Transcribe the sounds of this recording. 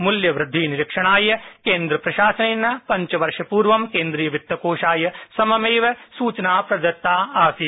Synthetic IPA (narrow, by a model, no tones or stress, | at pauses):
mʊljɐʋɾɪd̪ʱːiːnɪɾɪkʂɐɽ̃aːjɐkẽːnd̪ɾɐpɾɐʃaːsɐninːɐpɐɲt͡ʃɐʋɐɾʃɐpuːɾʋɐmkẽːnd̪ɾiːjɐʋɪt̪ʋɐkoːʃaːjɐsɐmɐmeːʋɐsuːt͡ʃɐnaːpɾɐd̪ɐt̪ːaːaːfi